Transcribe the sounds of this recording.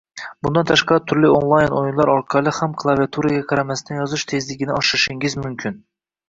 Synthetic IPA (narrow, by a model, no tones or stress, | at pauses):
b̥und̪ɑnt̪ʰɑʃqɑɾt̪ʰyɾlionlˠɑjnojunlˠɑɾɒɾqʰɑlˠɨhæmkʰlˠɑvijat̪ʰuɾɨɡʲɛqʰɑɾamæsnɪjɒzɨʃt̪ʰezlɪɡʲɪnɪɒʃɨɾɨʃɪŋɪzmymkʲʰɪn